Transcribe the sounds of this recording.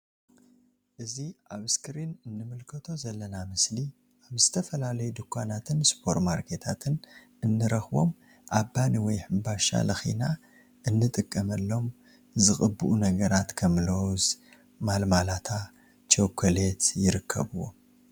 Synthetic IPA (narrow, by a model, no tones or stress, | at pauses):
ʔɨziʔaβɨskʰɨɾinɨnːɨmɨlkʰɐt̪ʰo̞zɐlːɐnamɨsli | ʔaβzɨt̪ʰɐfɐlalɐjud̪ɨkʰʷːanat̪ʰɨnspʰo̞ɾt̪maɾkʰet̪ʰat̪ʰɨn | ɨnːɨɾɐxbo̞m | ʔabːaniwɔjħɨmbaʃa̰lɐxḭna | ʔɨnːɨt̪ʼɨkʼːɐmɐlːo̞m | zɨxʼɨbːɨʔunɐɡɐɾat̪kʰɐmlowz | malmalat̪ʰa | t͡ʃʰokʰːɐlet̪jɪɾɨkʰːɐ̰βɨwo̞